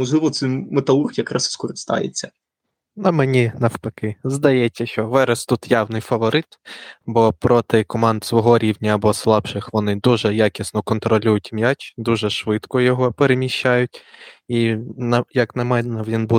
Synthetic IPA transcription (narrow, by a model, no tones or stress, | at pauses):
mɔʒlˠɪʋɔt̪sɛjmet̪ɐurxjɐkɾɑsskɔɾɪst̪ɑ̰jḛt͡sʲːɐ | nɐmenʲinɐwpɐkɪzd̪ɐjɛsʲːɐʃt͡ʃɔʋɛɾɛst̪ut̪jawnɪjfɐʋɔɾɪt̪bɔpɾɔt̪ɪkɔmɑnd̪sʋɔɦɔɾʲiwnʲɐːbɔslˠɑpʃɪxʋɔnɪd̪uʒɛjakʲisnɔkɔnt̪ɾɔlʲujʊtʲmjatʲd̪uʒɛʃʋɪt̪kɔjɔɦɔpeɾemʲiʃʲt͡ʃajʊtʲinɐjɐknɐmɛnɐʋʲinbu